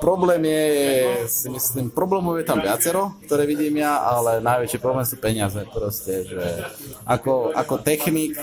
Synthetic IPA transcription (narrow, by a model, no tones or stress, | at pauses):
pɾɔblɛːmjɛjɛsimisliːmpɾɔblɛːmɔʊjɛt̪amʋɪat͡sɛɾɔk̚t̪ɔɾɛːʋiɟiːmjaalɛnajʋɛt͡ʃɪiːpɾɔblɛːmsuːpɛɲɪazɛpɾɔscɛʒɛakɔakɔt̪ɛxniːk